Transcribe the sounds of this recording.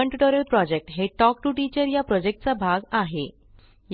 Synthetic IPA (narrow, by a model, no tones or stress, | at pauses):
əɳʈuʈəɾəlpɾɔd͡ʑek̚ʈɦeʈɔk̚ʈuːʈit͡ɕəɾjapɾɔd͡ʑek̚ʈ̚t͡sabʱaɡaɦe | j